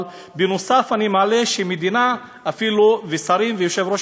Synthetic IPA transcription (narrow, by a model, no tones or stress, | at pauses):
l | benosafanimeale̞ʃemed̪inaː | filuvesaʁimvejoʃevʁoʃ